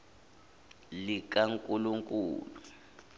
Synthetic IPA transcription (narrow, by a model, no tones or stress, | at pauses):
lik̬ʼaŋkʼuluŋkʼṵːlu